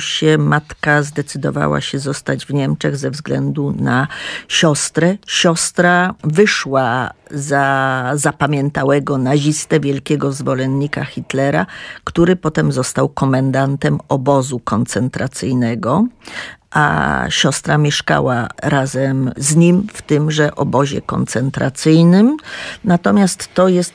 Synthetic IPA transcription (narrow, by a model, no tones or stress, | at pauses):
ɕɛmat̪kazd̪ɛt̪sɘd̪ɔ̰va̰wa̰ɕɛzɔst̪ad͡ʑvɲɛmt͡ʂɛɣzɛvzɡlɛnd̪unaɕɔst̪ɾɛɕɔst̪ɾavɘʂwazazapamʲjɛnt̪awɛɡɔnaʑist̪ɛvʲjɛlkʲɛɡɔzvɔlɛnɲikaxʲit̪lɛɾakt̪uɾɘpɔt̪ɛmzɔst̪awkɔmɛnd̪ant̪ɛmɔbɔzukɔnt̪sɛnt̪ɾat̪sɘjnɛɡɔ | ʔa̰ɕɔst̪ɾamʲjɛʂka̰wa̰ɾazɛmzɲimft̪ɘmʐɛʔɔbɔʑɛ̰kɔ̰nt̪sɛnt̪ɾa̰t̪sɘjnɘmnat̪ɔmʲjast̪ːɔjɛst̪